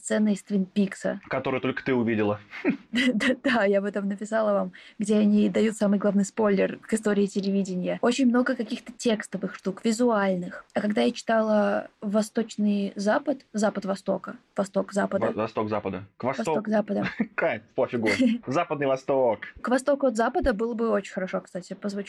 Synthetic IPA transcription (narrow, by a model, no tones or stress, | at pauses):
st̪sɛnːɨɪst̪vʲɪnpʲiksə̰kɐt̪o̞ɾɨjət̪o̞lʲkə̥t̪ɨʊvʲidʲɪlˠə | d̪d̪ajabɨt̪amnəpʲɪsalˠəvamɡdʲeɐnʲid̪ɐjut̪samɨjɡlˠavnɨjspo̞lʲːɪrkɨs̬t̪o̞ɾʲɪːtʲɪlʲɪvʲidʲɪnʲɪjəot͡ɕɪnʲmno̞ɡəkɐkʲixt̪ətʲe̞kst̪əvɨxʂt̪ukvʲɪzʊalʲnɨxɐkɐɡd̪ajat͡ɕɪ̥t̪alˠəvɐst̪o̞t͡ɕnɨjzapət̪zapət̪vɐst̪o̞kəvɐst̪o̞kzapəd̪əvɐst̪okzapəd̪əkvɐsvɐst̪okzapəd̪əkapofʲɪɡuzapəd̪nɨjvɐst̪okkvɐst̪okʊɐt̪zapəd̪əbɨlˠəbɨo̞t͡ɕɪnʲxəɾɐʂo̞kst̪atʲɪpəzvʊt͡ɕ